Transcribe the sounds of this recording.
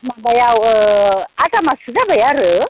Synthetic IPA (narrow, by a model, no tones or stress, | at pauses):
mabajaw | at̪amasuzabəjaɾə